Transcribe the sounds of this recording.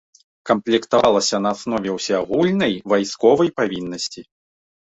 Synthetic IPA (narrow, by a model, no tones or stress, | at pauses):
kɐmplʲɛkt̪avalˠɐsʲɐnɐːsnɔvʲɛwsʲɛaɣulʲnɐjvajskɔvɐjpavʲinːɐsʲt͡sʲi